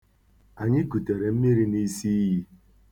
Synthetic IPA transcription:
a˨ɲɪ˦ku˨te˨ɾe˨m̩˦mi˦ɾi˦ni˦si˦ɦi˦

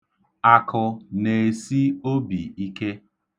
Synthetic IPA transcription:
a˨kʊ˨ne˨e˨si˦o˦bi˨i˦ke˦

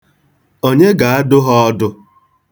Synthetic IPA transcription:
o˦ɲe˦ɡa˨a˦dʊ˦ɦɔ˦ɔ˦dʊ˦

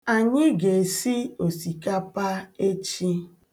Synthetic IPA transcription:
a˨ɲɪ˦ɡe˨si˦o˨si˨ka˦pa˦e˦t͡ʃi˦

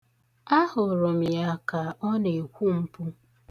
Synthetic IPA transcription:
a˦hʊ˨ɾo˨m̩˨ja˨ka˨ɔ˦ne˨kʷu˦m̩˦pʊ˦

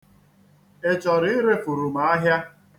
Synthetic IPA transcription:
e˨t͡ʃɔ˨ɾɪ˦ɪ˦ɾe˦fu˨ɾu˨ma˨a˦ɦja˦

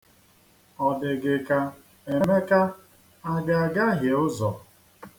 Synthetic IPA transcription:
ɔ˨dɪ˨ɡɪ˨ka˦ | e˨me˦ka˦ | a˦ɡa˨a˨ɡa˦ɦje˨ʊ˦zɔ˨

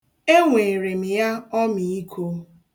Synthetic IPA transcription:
e˦ŋʷe˨ɾe˨m̩˨ja˦ɔ˦mi˨i˦kʰo˦

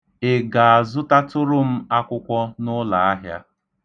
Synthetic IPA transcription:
e˨ɡa˨a˨zʊ˦ta˦tʊ˦ɾʊ˦m̩˦a˦kʷʊ˦kʷɔ˦nʊ˦la˨a˦ɦja̰˦

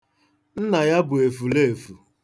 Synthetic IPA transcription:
n̩˦na˨ja˦bʊ˨e˨fu˨le˦˨fu˨

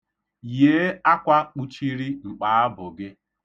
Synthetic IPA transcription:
je˦a˦kʷa˦k͡pu˦t͡ʃi˦ɾi˦ŋ͡m̩˨k͡pa˨˦a˦bʊ˨ɡɪ˦

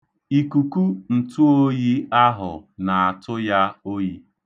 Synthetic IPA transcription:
i˨ku˨ku˦n̩˨tu˦o˦ji˦a˦ɦʊ̰˨na˨a˨tʊ˦ja˦o˦ji˦

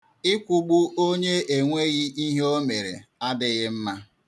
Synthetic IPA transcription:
ɪ˦kʷu˦ɡ͡bu˦o˦ɲe˦e˨ŋʷe˦ɣi˦i˦ɦe˦o˦me˨ɾḛ˨a˦dɪ˦ɣɪ˦m̩˦ma˦

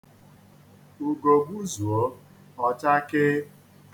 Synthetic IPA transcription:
u˨ɡo˨ɡ͡bu˦zu˨o˦ | ɔ˦t͡ʃa˦kɪ˦

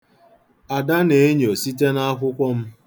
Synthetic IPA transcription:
a˨da˦ne˨e˦ɲo˨si˦t̬e˦na˦a˦kʷʊ˦kʷɔ˦m̩˦

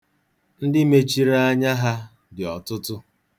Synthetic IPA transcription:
n̩˦dɪ˦me˦t͡ʃi˦ɾa˦a˦ɲa˦ɦa˦ | dɪ˨ɔ˨tʊ˦tʊ˦

